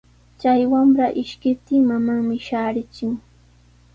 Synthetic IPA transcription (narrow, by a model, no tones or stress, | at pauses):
t͡ʃajwamɾaʔɪʃkɪp̚t̪ɪŋmamaŋmɪʃaːɾɪt͡ʃʊŋ